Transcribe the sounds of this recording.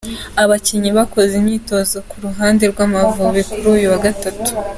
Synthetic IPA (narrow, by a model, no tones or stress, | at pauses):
aβaciɲiβako̞zemɲiːto̞zo̞kuɾuɦaːndeɾɡwaːmavuβikuɾuːjuwaɡatatu̥